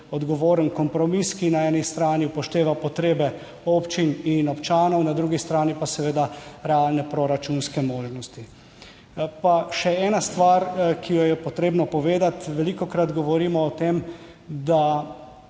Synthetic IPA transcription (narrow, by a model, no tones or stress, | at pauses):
ɔd̪ɡɔʋoːɾənkɔmpɾɔmiskinaɛːnist̪ɾaːnipɔʃt̪eːʋapɔt̪ɾeːbɛ | oːpt͡ʃininɔpt͡ʃaːnɔwnad̪ɾuɡist̪ɾaːnipasɛʋeːd̪aɾɛalnɛpɾɔɾat͡ʃunskɛmoːʒnɔst̪i | paʃɛɛːnast̪ʋaɾkijɔjɛpɔt̪ɾeːbnɔpɔʋeːd̪at̪ʋɛlikɔkɾat̪ɡɔʋɔɾiːmɔːt̪em | d̪a